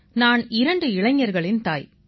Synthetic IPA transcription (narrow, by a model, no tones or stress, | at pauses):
naːnɪɾɐɳɖɯɪɭɐŋːɐɾɣɐɭɪnt̪aːj